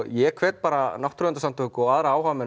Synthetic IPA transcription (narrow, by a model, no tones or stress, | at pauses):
jɛkʰvɛːt̪paːɾanawht̪ɾʏɛnt̪asamt̪ʰɔhkʏɔɣaːðɾaaːwhavmɛ